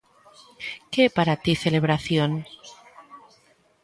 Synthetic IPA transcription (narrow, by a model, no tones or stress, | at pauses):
kepaɾat̪iθeleβ̞ɾaθjon